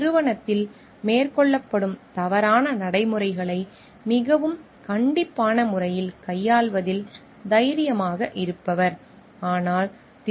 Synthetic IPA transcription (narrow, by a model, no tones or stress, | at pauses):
ɾɯʋɐɳɐt̪ːɪl | meːɾkɔɭːɐpːɐɽɯmt̪ɐʋɐɾaːnɐnɐɽɐɪmɯɾɐɪɣɐɭɐɪ | mɪɣɐʋɯm | kɐɳɖɪpːaːnɐmʊɾɐjɪlkɐjːaːɭʋɐðɪl | d̪ɐjɐɾɪjɐmaːɣɐʔɪɾɯpːɐʋɐɾ | aːnaːl | t̪